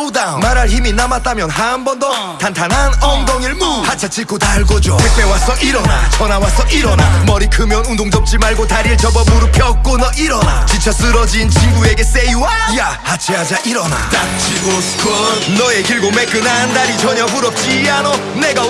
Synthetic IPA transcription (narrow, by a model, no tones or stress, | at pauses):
damaɾaɭçiminamat͈̚amjʌnɦambʌndʌ | tantʰananʌŋdʌŋiɭmohat͡ɕʰat͡ɕ͈ʰik͈otaɭɡod͡ʑoep͈e̞was͈ʌʔiɾʌna̰t͡ɕʰʌnawas͈ʰʌʔiɾʌnamʌɾikɯmjʌnundoŋd͡ʑʌp̚t͡ɕ͈imaɭɡotaɾiɭt͡ɕʌbʌboɾupʰjʌk͈̚onʌʔiɾʌna̰t͡ɕint͡ɕʰas͈ɯɾʌd͡ʑint͡ɕimɡue̞ɡe̞s͈ejuwa | ja | hat͡ɕʰiɦad͡ʑaʔiɾʌna̰tat͡ɕʰio̥ | kʌnʌeɡiɭɡomek͈ɯnandaɾit͡ɕʌɲʌpuɾʌp̚t͡ɕ͈ianʌ | neɡa